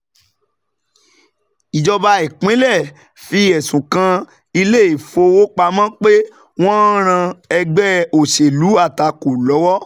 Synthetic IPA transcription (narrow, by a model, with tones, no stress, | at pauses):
i˨d͡ʒɔ˧ba˧i˨kẽ˨˦lɛ˦˨ | fi˧˦ɛ˨sũ˨kã˧ | i˧le˦i˦˨fo˧wo˦k͡pa˧mã˦k͡pe˦ | w̃ɔ̃˦ɾ̃ã˧ɛ˧ɡ͡bɛ˦o˨ʃe˨lu˨˦a˦˨ta˨ko˨lɔ˨˦wɔ˦